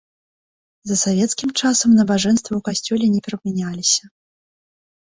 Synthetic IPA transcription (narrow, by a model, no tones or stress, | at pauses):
zɐsavʲɛt̪skʲimt͡ʂasɐmnɐbaʐɛnst̪vɐwkasʲt͡sʲɔlʲɛnʲɛpʲɛɾɐbmʲɛnʲalʲisʲɐ